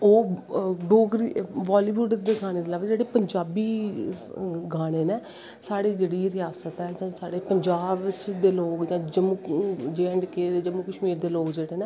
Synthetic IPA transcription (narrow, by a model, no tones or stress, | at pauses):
oːɖoːɡɾiʋaːliːʋuːɖd̪eːɡaːñeːd̪eːlaːʋed͡ʒeːɽeːpəɲd͡ʒaːbiː | ɡaːɽ̃eːneː | saːɽeːd͡ʒeːɽiːɾɪjaːsət̪ɛːd͡ʒãːsaːɽeːpəɲd͡ʒaːbt͡ʃd̪eːloːɡd͡ʒãːd͡ʒəmuːd͡ʒeːəɳɖkeːd̪eːd͡ʒəmuːkəʃmiːɾd̪eːloːɡd͡ʒeːɽeːnẽː